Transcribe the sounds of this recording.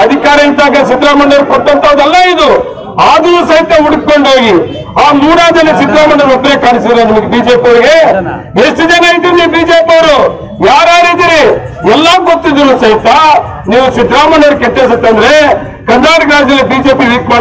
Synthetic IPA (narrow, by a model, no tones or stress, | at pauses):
ɐd̪ʱikaːɾɐid̪aːɡɐsid̪ɾaːmɐɳɖɐɾukɔt̪ːɐnt̪ɐɐd̪ɛlːɐid̪u | aːd̪ɐnuːsɐɦit̪ɐuɽuk̚koɳɖoːɡi | aːmuːɾaːd͡ʒɐlːisid̪ɾaːmɐɳɐɾɐbɾeːkaːɳisid̪ilɐnimɐɡebiːd͡ʒeːpioɾiɡe̞ | esʈud͡ʒɐnɐid̪iɾniːbiːd͡ʒeːpioɾu | jaːɾaːɾid̪iɾi | ɛlːɐɡot̪ːid̪unuːsɐɦit̪ɐ | niːʋusid̪ɾaːmɐɳɐɾukɛʈːeːs̬ɐt̪ːɐnd̪ɐɾe̞ | kɐnd̪aːɾɐɡɾaːd͡ʒd̪ɐlːibiːd͡ʒe̞ːpiʋiːkma